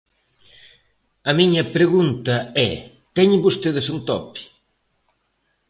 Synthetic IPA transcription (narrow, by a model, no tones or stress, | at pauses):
ɐmiɲɐpɾeɣunt̪ɐɛ | t̪ɛɲβust̪eðesunt̪ɔpi̥